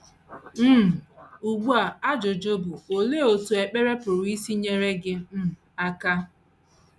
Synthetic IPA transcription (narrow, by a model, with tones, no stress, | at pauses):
m̩˦˨u˨ɡ͡bu˦a˨a˦d͡ʒʊ˨d͡ʒo˦bu˨o˨le˦˨o˨tu˨e˨k͡pe˦ɾe˦pʊ˨ɾʊ˨˦i˦si˦ɲe˦ɾe˦ɡɪ˦m̩˦ | a˦ka˦